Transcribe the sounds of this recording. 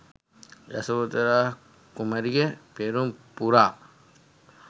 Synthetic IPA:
jɐ̰sɐbot̪ɐɾa | kumɐɾiɡepeɾumpuɾaː

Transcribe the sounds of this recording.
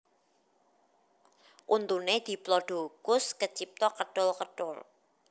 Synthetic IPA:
ʔunt̪uned̪̥i̤plɔɖ̥o̤kʊskət͡ʃip̚t̪ɔkəɖ̥ʊlkəɖ̥ʊl

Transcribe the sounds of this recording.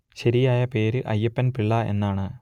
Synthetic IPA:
ɕɐɾijaːjɐpe̞ːɾɨʔɐjːɐpːɐnpiɭːɐe̞̰nːaːɳɨ

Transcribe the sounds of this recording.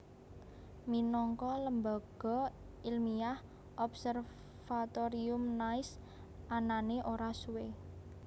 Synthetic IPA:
minɔŋkɔləmba̤ɡ̥ɔ̤ | ilmiah | ʔɔbsər | fat̪oɾiʊmnaɪs | ananeʔoɾasuwe

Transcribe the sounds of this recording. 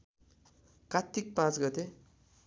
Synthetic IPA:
kat̪ːik̚pãt͡sɡʌt̪e

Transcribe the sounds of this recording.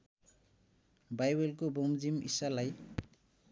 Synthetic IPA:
bajwelkobomzimḭsalaj

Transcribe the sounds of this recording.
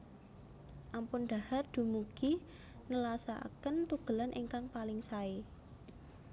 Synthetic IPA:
ʔampʊnɖ̪̥a̤hard̪̥ṳmuɡ̥i | nəlasaa̰kənt̪uɡ̥ə̤lanʔiŋkaŋpalɪŋsae

